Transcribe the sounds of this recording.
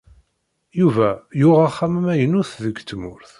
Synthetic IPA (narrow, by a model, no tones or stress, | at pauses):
juvæjʊʁaχːæmmæjənʊθðəɡt̪ːmʊɾθ